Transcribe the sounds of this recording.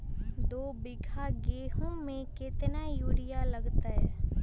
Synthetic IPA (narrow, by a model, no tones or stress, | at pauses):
d̪oːbɪɡʰʱaɡeːɦõmẽkɪt̪najuːɽɪjalɐɡt̪aɦɛː